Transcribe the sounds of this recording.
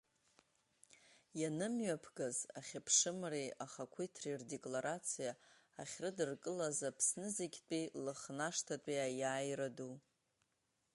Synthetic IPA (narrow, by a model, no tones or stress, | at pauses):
janɨmɥapʰɡazaχʲapʰʂɨmreaχakʷʰijtʰrirde̞kʼlaɾat͡sʰijaː | χʲrɨdɨrkʼɨlazapʰsnɨzeɡʲt͡pʼilɨχnaʂtʰatʼiajaːjradu